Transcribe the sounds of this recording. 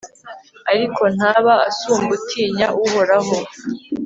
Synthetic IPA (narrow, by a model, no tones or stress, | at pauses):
aɾikʰo̞n̥aβaasuːmbutʰiːɲaʔuho̞ɾaɦo